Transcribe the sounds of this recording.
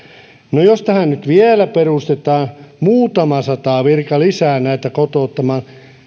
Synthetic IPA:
nojost̪æhænnyt̪ʋielæperuˑst̪et̪ɑːnmuːt̪ɑmɑsɑt̪ɑːʋirkɑlisæːnæit̪ækot̪oˑt̪ːɑmɑ

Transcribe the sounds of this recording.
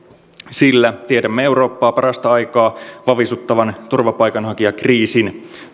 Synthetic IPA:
silːæt̪iedæmːee̞wɾo̞ːpːɑːpɑɾɑst̪ɑɑjkɑːʋɑʋisut̪ːɑʋɑnt̪urʋɑpɑjkɑnhɑkiɑkriːsin

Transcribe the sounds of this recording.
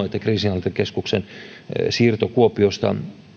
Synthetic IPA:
et̪ːækriːsinɑlt̪ekeskuksen | siːrt̪okuopiost̪ɑ̰

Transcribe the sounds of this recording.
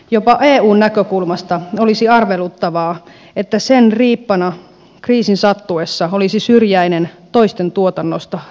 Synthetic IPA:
jopɑʔeːuːnnækøkulmɑst̪ɑolisiɑrʋelut̪ːɑʋɑː | et̪ːæsenriːpːɑnɑ | kriːsinsɑt̪ːuesːɑolisisyrjæinent̪o̞ist̪e̞nt̪uot̪ɑnːost̪ɑ

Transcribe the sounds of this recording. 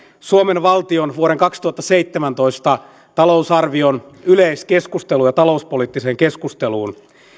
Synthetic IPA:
suomenʋɑlt̪ionʋuoɾeŋkɑkst̪uhɑt̪ːɑsejt̪ːemænt̪o̞ist̪ɑ | t̪ɑlo̞usɑrʋionyleiske̞skust̪e̞lujɑt̪ɑlo̞uspoliːt̪ːise̞ːŋke̞skust̪e̞luːn

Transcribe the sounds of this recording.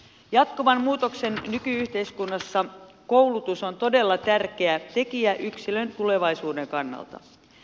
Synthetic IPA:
jɑt̪koʋɑmmuːt̪o̞kse̞nːykyyht̪e̞iskunːɑsːɑ | ko̞wlut̪uso̞nt̪o̞de̞lːɑt̪ærkeæt̪e̞kiæʔyksilø̞nt̪ule̞ʋɑjsuːde̞ŋkɑnːɑ̰lt̪ɑ̰

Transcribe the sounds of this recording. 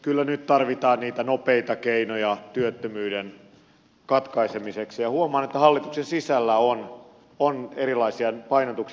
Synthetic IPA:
kylːænyt̪t̪ɑrʋit̪ɑːnniːt̪ænopeit̪ɑkeinojɑt̪yøt̪ːømyːden | kɑt̪kɑisemiseksijɑhuomɑːnet̪ːæhɑlːit̪uksensisælːæon | oneɾilɑisiɑpɑinot̪uks

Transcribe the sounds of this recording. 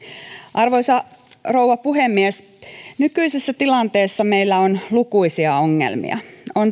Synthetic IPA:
ʔɑrʋoisɑ | rouʋɑpuɦemːies | nykyisesːæt̪ilɑnt̪eːsːɑmeilːæonlukuisiɑoŋːḛlmḭɑ̰on

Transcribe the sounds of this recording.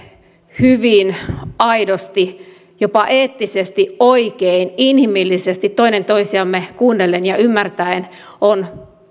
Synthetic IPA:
hyʋinɑidost̪i | jopɑʔeːt̪ːisest̪iʔoikeininhimilːisest̪it̪t̪ːoinent̪oisiɑmːekuːnːelenjɑymːært̪æin | on

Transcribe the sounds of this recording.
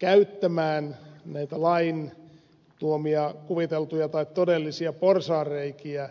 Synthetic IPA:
kæyt̪ːæmæːnnæit̪ælɑin | t̪uomiɑkuʋit̪elt̪ujɑt̪ɑikt̪odelːisiɑporsɑːreikiæ

